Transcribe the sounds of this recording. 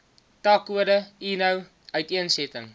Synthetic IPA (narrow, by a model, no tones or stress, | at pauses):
tɑːkuədəinəw | œɥtiənsɛtəŋ